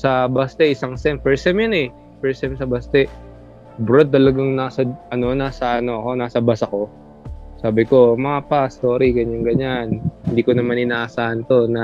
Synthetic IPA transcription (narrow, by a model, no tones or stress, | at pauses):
sɐbast̪ɛʔɪsaŋsɛmfɛɹsɛmjʊnɛ | pɛɹsɛmsɐbast̪ɛ | bɾod̪̚t̪ɐlɐɡaŋnaːsɐʔɐno̞naːsɐʔɐno̞ʔɐko̞naːsɐbasɐko̞ | saːbɪko̞mɐapast̪oːɾiɡɐɲanɡɐɲanhɪnd̪iːko̞nɐmanʔɪnaːʔɐsaːʔɐnt̪o̞nɐ